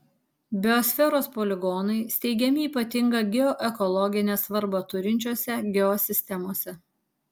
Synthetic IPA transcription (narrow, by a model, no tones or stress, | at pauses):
bʲɪɔsʲfʲɛɾoːspoːlʲɪɡɔnɐɪsʲt̪ʲɛɪɡʲɛmʲɪiːpɐt̪ʲɪŋɡɐɡʲɛɔʔɛkɔlˠɔɡʲɪnʲeːsʋɐɾbot̪ʊɾʲɪnʲt͡ʃʲoːsʲɛɡʲɛɔsʲɪsʲt̪ʲɛmoːsʲɛ